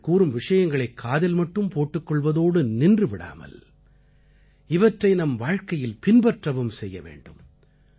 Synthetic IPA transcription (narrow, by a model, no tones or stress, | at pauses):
kuːɾɯmʋɪʂɐjɐŋɡɐɭɐɪkʰːaːðɪlmɐʈːɯmpoːʈːɯkːɔɭʋɐðoːɽɯnɪndrɯʋɪɽa̰ːmɐ̰l | ɪʋɐʈrɐɪnɐmʋaːɻkɐjɪlpɪnbɐʈrɐʋɯmsɛjːɐ̰ʋḛːɳɖɯm